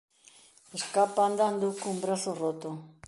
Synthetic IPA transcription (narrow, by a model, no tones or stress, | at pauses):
eskapand̪and̪ukumbɾaθorot̪o